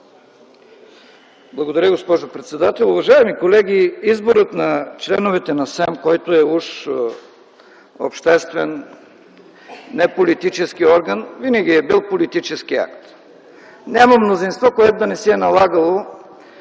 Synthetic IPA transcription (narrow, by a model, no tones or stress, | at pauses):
blˠɐɡod̪ɐɾʲəɡospɔʒopɾɛt̪sɛd̪at̪ɛlˠʊvɐʒaɛmikolɛɡʲiizboɾət̪nɐt͡ʃlɛnovɛt̪ɛnɐsɛmkɔjt̪oɛuʃ | o̰pʃt̪ɛst̪vɛn | ɛpolit̪it͡ʃɛskiɔɾɡənvinɐɡ̟ʲiɛbilˠpolit̪it͡ʃɛskia̰kt̪ | nʲamɐmnozinst̪vɔkoɛt̪od̪ɐnɛsiɛnɐlˠaɡəlˠo